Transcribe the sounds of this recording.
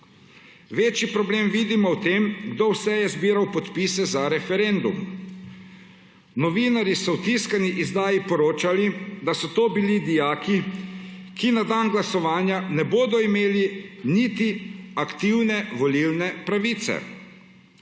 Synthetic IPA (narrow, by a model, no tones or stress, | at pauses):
ʋeːt͡ʃjipɾɔbleːmʋiːd̪imɔwt̪eːmɡd̪owsɛjɛzbiːɾawpɔt̪pisɛzaɾɛfɛɾend̪um | nɔʋinaɾjisɔwt̪iskaniʔizd̪aːjipɔɾoːt͡ʃalid̪asɔt̪oːbilid̪ijaːki | kinad̪anɡlasɔʋaːnjanɛboːd̪ɔimeːlinit̪iakt̪iwnɛʋɔlilnɛpɾaʋiːt̪sɛ̰